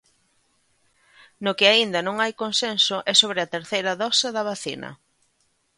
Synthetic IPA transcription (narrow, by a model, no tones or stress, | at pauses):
nʊkɪaind̪ɐnõŋajkonsensʊʔɛsoβɾɪɐt̪eɾθejɾɐðɔsɐðɐβaθinɐ̰